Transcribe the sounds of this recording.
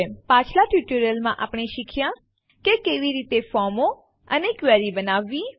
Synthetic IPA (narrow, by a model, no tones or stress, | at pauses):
epãt͡ʃʰlaʈjuʈəɾjəlmãʔapɳ̃eʃikʰjã | kekeʋiɾit̪efɔɾmo | ənekʋɛɾibənaʋːi